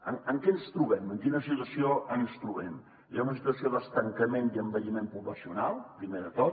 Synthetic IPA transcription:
əŋəŋkɛnst̪ɾuβɛməŋkinəsit̪wəsioənst̪ɾuβɛm | ʒaunəsit̪uəsioðəst̪əŋkəmeniəmbəʎimempuβləsiunalˠpɾimeðət̪ot̪

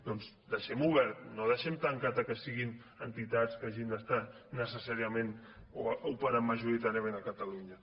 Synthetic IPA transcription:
d̪ɔnz | d̪əʃɛmuβɛɾt̪noð̞əʃɛmt̪aŋkat̪əkəsiɣin | ənt̪it̪at͡skaʒind̪əst̪a | nəsəsaɾiəmẽnoupəɾəmːəʒuɾit̪aɾiəmẽnəkət̪aluɲə

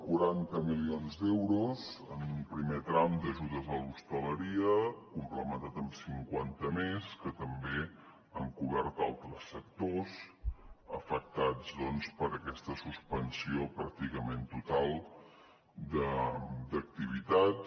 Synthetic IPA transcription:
kuɾant̪əmilionzd̪ɛwɾuzə̰numpɾimet̪ɾamd̪əʒuðəzəlust̪ələɾiəkumpləmənt̪at̪əmsiŋkwant̪əmeskət̪əmbe | ə̰ŋkuβɛɾt̪a̰lˠt̪ɾəsːək̚t̪oz | əfək̚t̪ad͡zðɔnspəɾəkɛst̪əsuspənsiopɾa̰k̚t̪ikəment̪ut̪alˠ | d̪əd̪ək̚t̪iβ̞it̪at̪

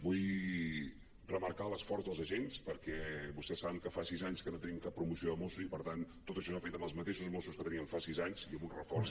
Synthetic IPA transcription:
buj | rəməɾkaləsfɔrzðəlˠzəʒenspəɾkɛβust̪ɛsːaβəŋkəfasizaɲskənot̪əniəmkapːɾumusioðəmosuipəɾt̪ant̪ːot̪əʃɔsafet̪əmbəlˠzmət̪eʃuzmosuskət̪əniəɱfasizaɲziəmunrəfɔɾs

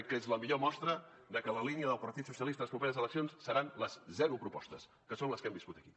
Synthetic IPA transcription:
kəezləmiʎomɔst̪ɾə | d̪əkələliniəðəlˠpəɾt̪it̪susiəlˠist̪ələspɾupeɾəzələksijonsːəɾanləzzɛɾupɾupɔ̰st̪əs | kəsonləskɛmbiskut̪əki̥

